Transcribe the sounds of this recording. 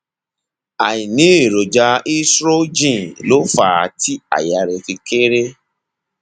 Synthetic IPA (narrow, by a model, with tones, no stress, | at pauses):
a˨i˨nĩ˨˦e˦˨ɾo˨d͡ʒa˧i˦sɾo˦d͡ʒĩ˦˨lo˨˦fa˦˨ti˦a̰˨ja˨˧ɾɛ˧fi˧ke˦ɾe˦